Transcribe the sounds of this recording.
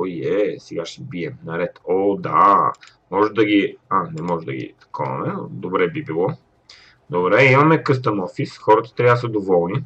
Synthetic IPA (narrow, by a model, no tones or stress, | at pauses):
ojɛsɛɡaʃɛbiɛmnɐɾɛt̪ɔd̪a̰ | mɔʒɛd̪ɐɡianɛmɔʒɛd̪ɐ̰ɡʲḭt̪ɐ̥kʰɔɐ̰mɛnd̪obɾɛbibilˠɔ | d̪obɾɛimɐmɛkɤs̬t̪ɐmɔfisxɔɾɐt̪ə̥t̪ɾʲaəsəd̪ovɔlˠni